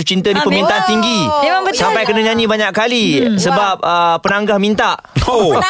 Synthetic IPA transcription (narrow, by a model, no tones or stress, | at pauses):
t͡ʃint̪ədipəmĩnt̪aʔant̪iŋɡissampajkənaɲãnĩbaɲaʔkkalisəbap̚əpːənaŋɡahmĩnt̪aʔo